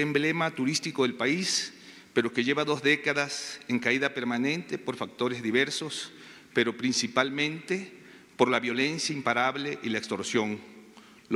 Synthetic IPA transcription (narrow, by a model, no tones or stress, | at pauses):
emblemat̪uɾist̪iko̞ðe̞lpais | pe̞ɾo̞ke̞ʝe̞βaðo̞zðekaðaseŋkaiðape̞ɾmanẽ̞nt̪e̞po̞ɾfak̚t̪o̞ɾezðiβeɾsos | pe̞ɾo̞pɾinsipalmẽnt̪e | po̞ɾlaβjo̞le̞nsjaimpaɾaβleʔilaekst̪o̞ɾsjo̞ŋ | l